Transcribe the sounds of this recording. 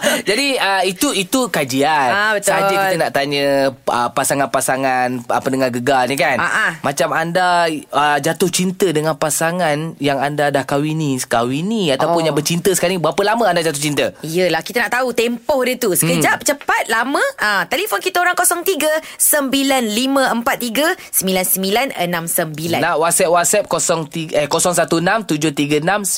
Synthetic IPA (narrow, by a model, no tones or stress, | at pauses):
d͡ʒadiəit̪uit̪ukad͡ʒianabəsaɦakd͡ʒəkkit̪ənaʔt̪aɲə̃əpasaŋanpasaŋanapədəŋaɡəɡalnikanaʔamãt͡ʃamandaəd͡ʒat̪ʊht͡ʃint̪ədəŋanpasaŋanjaŋandadahkawiniskawiniat̪awpʊnjãŋbət͡ʃint̪əsəkanibəapəlamə̃andad͡ʒat̪ʊht͡ʃint̪əijəlahkit̪anaʔt̪aut̪empɔhdət̪usə̥kəd͡ʒap̚t͡ʃəpat̪̚lamə̃ãt̪elifonkit̪aoɾaŋkosɔŋt̪iɡəsəmbilanlimə̃əmpat̪̚ːiɡəsəmbilansəmilanə̰nãmsəmbilanaʔwat̪̚sɛp̚wat̪̚sɛp̚kosɔŋt̪iəkosɔŋsat̪uənamt̪ud͡ʒʊht̪iɡəənam